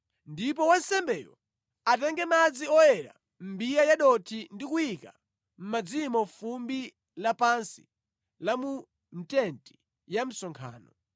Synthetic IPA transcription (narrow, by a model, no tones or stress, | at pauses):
ndip̬ɔwansɛmbɛːjɔ̰ | atɛŋɡɛmad͡ziɔjɛɾa̰ | m̩bijajaɗɔtʰindikujika | m̩mad͡zimɔfumbi | lapansi̥ | lamu | n̩tɛnti̥ | jam̩sɔŋkʰa̰ːnɔ